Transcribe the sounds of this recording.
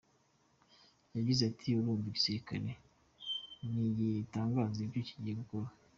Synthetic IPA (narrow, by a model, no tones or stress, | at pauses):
jaɟizatʰiuɾuːɱviɟisiɾika̰ɾe | nijitaːŋɡaːzivjiciɟiɡukoɾa